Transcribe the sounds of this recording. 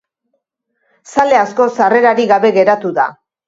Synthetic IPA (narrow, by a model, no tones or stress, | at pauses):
sale̞asko̞sare̞ɾaɾiɣaβe̞ɣe̞ɾat̪uða̰